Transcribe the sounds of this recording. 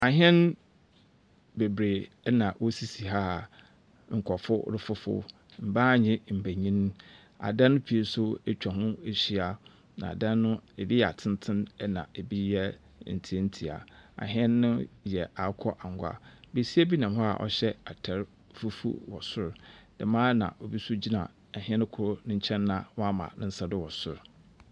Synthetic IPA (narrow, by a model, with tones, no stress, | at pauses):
a˨ɦɛ̃˦n | be˨bɾeː˨˦ | nã˨wɔ˦si˨si˨ɦa˦˨ | ŋ̩˨kʰɔ˨fʊ˦ɾɪ˦fʊ˦fʊ̰˦ | m̩˨ba˦˨ɲɪ̃˦m̩˨bæ˨ɲĩ˦n˦ | a̰˨dã˦nːʊ̃˦pʰi˨e˦sʊ˦e˦t͡ɕᶣa˨ɦʊ̃˦e˨ɕi˦a˨ | nã̰˨a̰˨dã˦nːʊ̃˦e˨bi˦ja̰˨tʰɪ̃˦n˦tʰɪ̃˦nɛ˦nã̰˨e˨bi˦jɛ˦ | n̩˨tʰi˨e˦n̩˦tʰi˨a̰˨a̰˨ɦɪ̃˦ɛ˦nːʊ̃˦jɛ˨a˨˦kʰɔ˦ʔa˨ŋ˨ɡʷa̰˨be˨si˦ɛ˦bi˦nã˨mɦɔ˦a̰˨ʔɔ̰˦ɕɛ˦a˨tʰɛ˨ɾ | fu˦fṵ˦wɔ˨sʊ˦ɾdɛ˨mãː˦nã̰˨ʔo˨bi˦sʊ˦d͡ʑi˦nã̰˨ | a˨ɦĩ˦ɛ̃˦n˦kʰʊ˦ɾʊ˦nɪ̃˦ɲ̩˦t͡ɕʰɛ̃˦nːã˨wɔ˦a˦mã̰˨nɪ̃˦n̩˦sa˨dɪ˦wɔ˨sʊ̰˦ɾ